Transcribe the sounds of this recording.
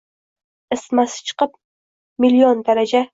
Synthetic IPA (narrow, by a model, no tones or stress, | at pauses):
ɨsmasɪ̥t͡ʃʰɨ̥qɨp̚ | miliond̪aɾad͡ʒa